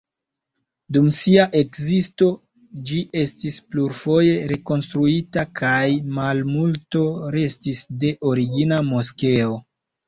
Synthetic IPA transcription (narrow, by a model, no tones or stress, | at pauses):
dumsiaʔe̞kzisto̞ | d͡ʒiʔe̞stispluɾfo̞je̞ɾe̞ko̞nstɾuitakʰajmalmulto̞ɾe̞stisde̞ʔo̞ɾiɡinamo̞ske̞o̞